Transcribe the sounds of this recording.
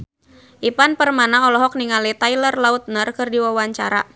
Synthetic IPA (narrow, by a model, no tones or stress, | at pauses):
ʔipanpərmanaɔlɔɦɔk̚niŋalit̪ailərlaut̪̚nərkɨrdiwawaɲt͡ʃa̰ɾa̰